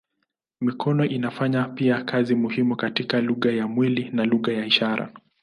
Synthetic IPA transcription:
mikɔnɔʔinafaɲapiakazimuhimukatikaluɣajamwilinaluɣajaiʃaɾʔa̰

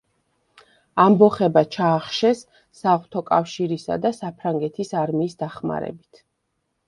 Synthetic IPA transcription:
ambɔχɛbat͡ʃʰaːχʃɛsː | aʁt̪ʰɔkʼafʃiɾisa̰d̪asapʰɾaŋɡɛt̪ʰisaɾmiːsd̪aχma̰ɾɛ̰bit̪ʰ

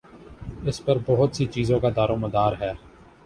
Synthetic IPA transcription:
ɪspəɾbɔɦʊt̪sit͡ʃiːzõːkad̪aːɾõːməd̪aːɾɦɛː

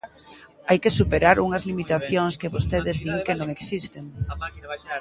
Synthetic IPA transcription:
ajkesupeɾaɾuŋɐzlimit̪aθjoŋskɪβost̪eðɪzðiŋkɪnõŋeksist̪eŋ

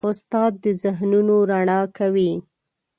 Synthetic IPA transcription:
ʊst̪ɑd̪̚ːəzɪɦnunoɾaɳɑkawi

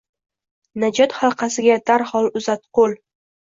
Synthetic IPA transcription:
nad͡ʒɒt̪χɑlˠqʰɑsɪɡʲad̪̥aɾhɒlˠʊzat̪̚qolˠ

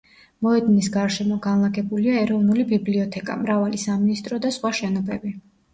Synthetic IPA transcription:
mɔɛd̪nisɡaɾʃɛmɔɡanlˠaɡɛbuliaɛɾɔvnulibibliɔt̪ʰɛkʼa̰mɾavalisaminist̪ʼɾɔd̪asχwaʃɛnɔbɛbi

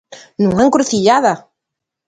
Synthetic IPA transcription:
nũŋaŋkɾuθiʎaða

